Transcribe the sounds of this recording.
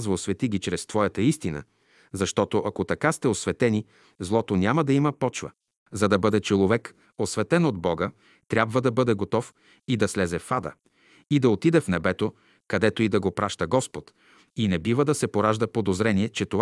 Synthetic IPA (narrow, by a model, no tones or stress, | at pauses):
zvɐosvɛt̪iɡʲit͡ʃɾɛst̪vɔjɐt̪əist̪inə̰ | zɐʃt̪ɔt̪oʔɐkot̪ɐkast̪ɛosvɛt̪ɛni | zlˠɔt̪onʲamɐd̪ɐiməpɔt͡ʃvə̰ | zɐd̪ɐbɤd̪ɛt͡ʃɛlˠovɛk | osvɛt̪ɛnod̪̚bɔɡə | t̪ɾʲjabvəd̪ɐbɤd̪ɛɡot̪ɔf | id̪ɐslɛzɛfad̪ə̰ | id̪ɐot̪id̪ɛfnɛbɛt̪o | kɐd̪ɛt̪oid̪ɐɡopɾaʃt̪əɡɔspot̪ | inɛbivəd̪ɐsɛpoɾaʒd̪ɐpod̪ozɾɛniɛt͡ʃɛt̪ov